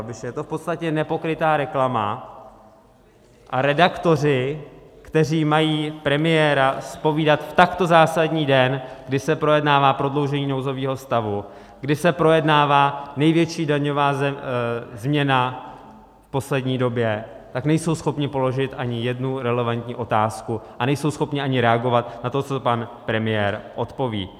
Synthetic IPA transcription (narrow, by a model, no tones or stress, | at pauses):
abɪʃɛjɛt̪o̞fpo̞t̪st̪acɛnɛpo̞kɾɪt̪aːɾɛklama̰ | ʔaɾɛdakt̪o̞r̝ɪkt̪ɛr̝iːmajiːpɾɛmɪjɛːɾaspo̞viːdat̪ft̪akt̪o̞zaːsadɲiːdɛnɡdɪsɛpɾo̞jɛdnaːvaːpɾo̞dlo̞wʒɛɲiːno̞wzo̞viːɦo̞st̪avu | ɡdɪsɛpɾo̞jɛdnaːvaːnɛjvjɛt͡ʃiːdaɲo̞vaːz | zmɲɛna | fpo̞slɛdɲiːdo̞bjɛ | t̪aknɛjso̞wsxo̞pɲɪpo̞lo̞ʒɪt̪ʔaɲɪjɛdnuɾɛlɛvant̪ɲḭːʔo̞t̪aːskuʔanɛjso̞wsxo̞pɲɪʔaɲɪɾɛaɡo̞vat̪nat̪o̞t͡sopanpɾɛmɪjɛːɾʔo̞t̪po̞vḭː